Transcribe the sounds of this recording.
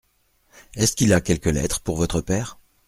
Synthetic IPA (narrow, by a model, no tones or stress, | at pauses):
ɛskʲilakʲɛlkəlɛ̰t̪χə̥puʁvɔt̪χəpɛːʁ